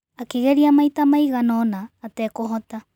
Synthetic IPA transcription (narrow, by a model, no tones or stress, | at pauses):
akeɣeɾiamajtamajɣanoːnaːtekoɦota